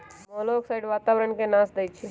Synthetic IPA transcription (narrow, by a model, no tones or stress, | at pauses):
mɔːloksaɪɖʋaːt̪aːʋɾəɳkenãːsd̪əjt͡ʃʰi